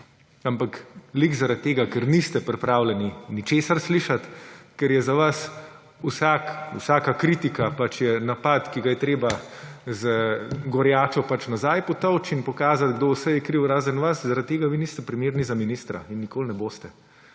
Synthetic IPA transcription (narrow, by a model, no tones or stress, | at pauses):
ampaklikzaɾat̪̚t̪ːeːɡakɛɾnist̪ɛpɾɛpɾaːwlɛninit͡ʃeːsaɾsliʃat̪kɛɾjɛzaʋas | usakṵsaːkakɾit̪ikapat͡ʃjɛnapat̪kiɡajɛt̪ɾeːbazəɡɔɾjaːt͡ʃɔpat͡ʃnazajpɔt̪ɔwt͡ʃinpɔkaːzat̪ɡd̪owsɛjɛkɾiwɾaːzənʋaszaɾat̪t̪ːeːɡaʋinist̪ɛpɾimeːɾnizaminist̪ɾa̰inːikoːlnɛboːst̪ɛ